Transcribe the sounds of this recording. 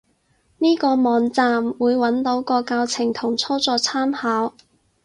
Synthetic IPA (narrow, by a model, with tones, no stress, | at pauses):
niː˥kɔː˧mɔː˨˧nt͡saː˧mwuː˨˧jwɐ˨˥nt̪o˨˧˥wkɔː˧kaː˧wt͡sʰɪ˨˩ŋt̪ʰʊ˨˩ŋt͡sʰɔː˥t͡sɔː˧t͡sʰaː˥mhaː˨˥w